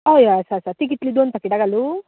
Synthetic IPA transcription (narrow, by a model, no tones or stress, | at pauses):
ajasaɾsaɾt̪ik̬iʈlid̪uɐnt̪ɐkːiʈaɡɐlu